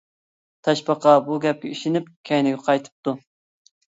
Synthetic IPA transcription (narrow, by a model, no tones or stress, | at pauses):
t̪ʰɛʃpɑqʰɑbuɡʲɛp̚kʲɛiʃɪnɪp̚kʲʰɛjnɪɡʲɛqʰɑjt̪ʰɨ̥p̚t̪u